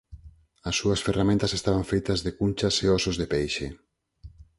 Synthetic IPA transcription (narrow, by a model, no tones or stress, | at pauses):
ɐsːuɐsferamẽnt̪ɐsest̪aβaɱfejt̪ɐzðekunʲt͡ʃaseɔsozðepejʃe